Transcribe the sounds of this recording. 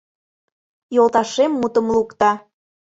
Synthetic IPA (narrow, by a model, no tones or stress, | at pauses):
jolˠt̪ɑʃemːut̪ə̆mlukt̪ɑ